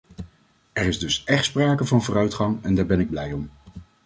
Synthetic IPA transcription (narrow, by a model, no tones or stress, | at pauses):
ɛɹɪzdɵsʔɛχtspraːkəvɑnvʊːrœɥtχɑŋɛndaːɹbɛnɪɡ̚blɛjɔm